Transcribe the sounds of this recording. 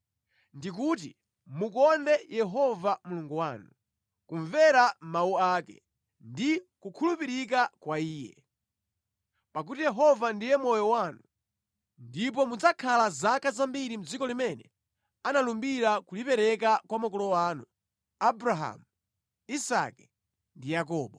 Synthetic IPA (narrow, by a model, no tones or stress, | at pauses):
ndik̬ut̬ḭ | mukɔndɛjɛɦɔvamuluŋɡuwaːnu | kuɱvɛɾamauaːkɛ̰ | ndikukʰulupiɾik̬akwaiːjɛ̰ | pak̬utijɛɦɔvandijɛmɔjɔwanu | ndip̬ɔmud͡zakʰalazakazambiɾim̩d͡zikɔlimɛnɛ̰ | analumbiɾakulipɛɾɛk̬akwamɔkɔlɔwaːnu | abɾaɦa̰mu | isa̰kɛ̥ | ndijakɔːɓɔ